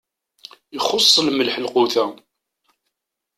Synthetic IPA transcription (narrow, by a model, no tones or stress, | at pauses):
əχosˤːəlməlħəlqʊθæ